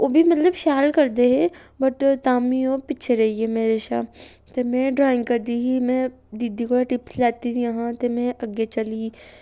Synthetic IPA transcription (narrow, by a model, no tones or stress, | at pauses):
oːbʱimɐt̪ləbʃaːlkəɾd̪eɦɛː | bəʈt̪aːmioːpɪːʃʰeɾɐɦiɛmeːɾeʃa̰ː | t̪emɛ̃ːɖɾaːɪ̃ŋɡkəɾd̪iːɦiːmɛ̃ː | d̪iːd̪ikoːlaʈɪpslɛːt̪itʰijɐɦãt̪emɛ̃ːʔəɡet͡ʃəliː